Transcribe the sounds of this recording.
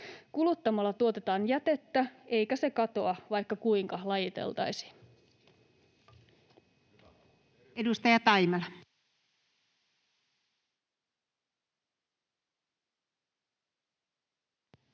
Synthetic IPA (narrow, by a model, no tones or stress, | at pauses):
kulut̪ːɑmɑlːɑt̪uo̞t̪e̞t̪ɑːnjæt̪e̞t̪ːæe̞jkæse̞kɑt̪o̞ɑʋɑjkːɑkuiŋkɑlɑjit̪ḛlt̪ɑ̰jsi̥ːn | edust̪ɑjɑt̪ɑimɑlɑ